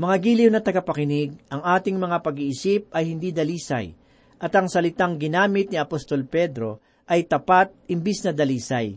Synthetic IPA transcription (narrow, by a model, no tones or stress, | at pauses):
mɐŋaɡiːlɪwnɐt̪ɐɡapɐkɪnɪɡ̚ɐŋʔaːt̪ɪŋmɐŋapɐɡiʔɪsip̚ʔɐjhɪnd̪id̪ɐliːsɐ̰j | ʔɐt̪ɐŋsɐlɪt̪aŋɡɪnaːmɪt̪̚niɐpost̪o̞lpɛd̪ɾo̞ | ʔɐjt̪ɐpat̪̚ɪmbisnɐd̪ɐliːsɐj